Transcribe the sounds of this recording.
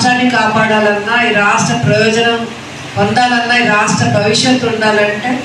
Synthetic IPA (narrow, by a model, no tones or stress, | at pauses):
ʈaːnːikaːpaːɽaːlɐnːaːiːɾaːʂʈɾɐpɾɐjɔːd͡ʒɐnɐm | ɐnd̪aːlɐnːaːiɾaːʂʈɾɐbʱɐʋiʂjɐt̪ːuɳɖaːlɐɳʈeː